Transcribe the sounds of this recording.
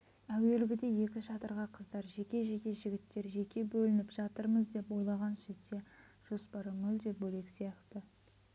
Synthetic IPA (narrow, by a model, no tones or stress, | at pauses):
æwe̞lɪɡʲɪd̪e̞je̞kʲɪʃɑt̪əɾʁɑqʰəzd̪ɑɾʒe̞kʲe̞ʒe̞kʲe̞ʒɪɡʲɪt̪ːe̞ɾʒe̞kʲʰe̞bɵlɪnɪpʒ̥ɑt̪əɾməzd̪e̞po̞jlˠɑʁɑnset̪se̞ | ʒ̥o̞spɑɾəmʏld̪e̞p̚bɵle̞ksijɑqt̪ə